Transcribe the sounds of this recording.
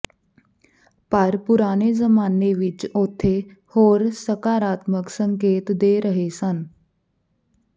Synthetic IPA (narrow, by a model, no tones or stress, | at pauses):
paɾpuɾaɽ̃ed͡zəmaneʋit͡ɕot̪ʰe | hoɾsəkaɾat̪məksəŋkeːt̪d̪eɾəɦesan